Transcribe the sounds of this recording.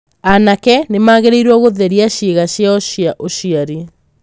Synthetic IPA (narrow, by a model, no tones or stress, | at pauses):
anakɛnemaːɣeɾeiɾwɔɣoðɛɾiaɕiɣaɕjaoaʔoɕiaɾi